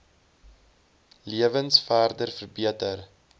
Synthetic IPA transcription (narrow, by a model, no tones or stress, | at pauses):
liəvənsfæːrdərfərbiətər